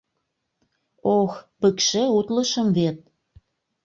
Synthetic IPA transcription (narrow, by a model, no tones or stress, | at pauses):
oxpəkʃeut̪ləʃəmvet̪̚